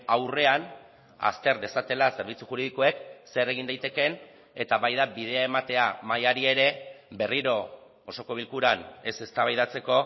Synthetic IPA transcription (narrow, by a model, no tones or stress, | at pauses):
awre̞an | a̰st̪e̞ɾðe̞sat̪e̞lase̞ɾβ̞it͡suxuɾiðiko̞e̞kse̞re̞ɣ̞ind̪ajt̪e̞ke̞n | et̪aβajðabið̞e̞ae̞mat̪e̞amajaɾie̞ɾe̞be̞riɾo̞ | oso̞ko̞β̞ilkuɾane̞se̞st̪aβajðat͡se̞ko̞